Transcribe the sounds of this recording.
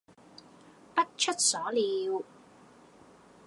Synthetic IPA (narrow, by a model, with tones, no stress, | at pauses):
pɐ˥t̚t͡ʃʰɵ˥t̚sɔː˨˥liː˨˧w